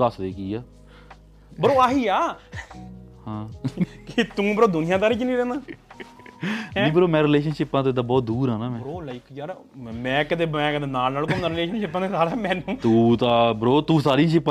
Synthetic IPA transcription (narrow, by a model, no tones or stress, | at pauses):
d̪əsd̪eːkiːaː | bəɾoːaːɦiːaː | hãːkɪt̪ũːbəɾoːd̪ʊnɪjãːt̪̬aːɾiːt͡ʃnĩːɾɛ̃ːnd̪aː | ẽːbəɾoːmɛ̃ːɾɪleːʃənʃɪpːãːt̪oːɪd̪ãːbɔːt̪̚d̪uːɾãːnaːmɛ̃bəɾoːlaɪkd͡ʒaːɾ | mɛ̃ːkɪt̪eːɛ̃ːkət̪eːnaːlnaːlkomaːɾɪleːʃənʃɪpːãːd̪eːsaːɾaːmɛ̃ːnũːt̪ũːt̪aːbəɾoːt̪ũːsaːɾiːʃɪpː